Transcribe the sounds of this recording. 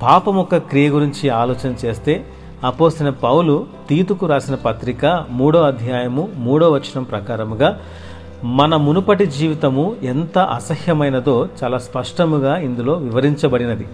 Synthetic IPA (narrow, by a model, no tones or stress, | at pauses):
paːpɐmɔkɐkɾijɐɡuɾiɲt͡ʃiaːlɔːt͡ʃɐnɐt͡ʃe̞ːst̪e̞ː | ɐpoːst̪inɐpɐwulut̪iːt̪ukuɾaːsinɐpɐt̪ɾikɐmuːɽoːɐd̪ʱjaːjɐmumuːɽo̞ːʋɐt͡ʃːinɐmpɾɐkaːɾɐmuɡaː | mɐnɐmunupɐʈid͡ʒiːʋit̪ɐmuent̪ɐʔɐ̰sɐhjɐmɐjnɐd̪o̞ːt͡ʃaːlaːspɐʂʈɐmuɡaːind̪ulo̞ːʋiʋɐɾiɲt͡ʃɐbɐɽinɐd̪i